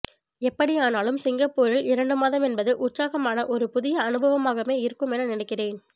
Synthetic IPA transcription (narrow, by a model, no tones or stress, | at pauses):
ɛpːɐɽijaːnaːlɯmsɪŋɡɐpːoːɾɪlɪɾɐɳɖɯmaːðɐmɛnbɐðɯʔʊʈsaːɣɐmaːnɐʔɔɾɯpʊðɪjɐːnɯbʱɐʋɐmaːɣɐmeːɪɾɯkːɯmɛnɐnɪnɛkːɪreːn